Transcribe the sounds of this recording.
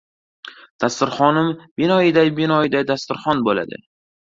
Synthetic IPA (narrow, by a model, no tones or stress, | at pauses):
d̪̥ast̪ɪɾχɒnɪmbɪnɒɪd̪ajbɪnɒɪd̪ajd̪ast̪ɪɾχɒnbola̰d̪ɪ̰